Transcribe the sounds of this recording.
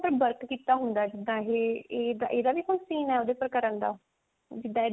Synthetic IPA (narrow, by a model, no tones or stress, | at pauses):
pəɾbəɾkkiːt̪aːɦʊnd̪aːd͡ʒɪd̪ãːɦeːeːd̪a̰ʔeːd̪aːʋiːkonsiːnɛːoːd̪eːpəɾkəɾənd̪a̰ː | d͡ʒɪd̪ãːeː